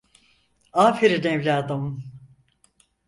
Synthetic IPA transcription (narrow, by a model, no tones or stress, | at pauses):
aːfiɾinevlʲaːd̪ɯmɯ